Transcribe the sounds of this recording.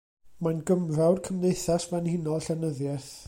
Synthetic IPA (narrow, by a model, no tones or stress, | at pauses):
manɡəmrawrkʰəmnejθasvɛnhɪnɔlˠɬɛnəðjɛθ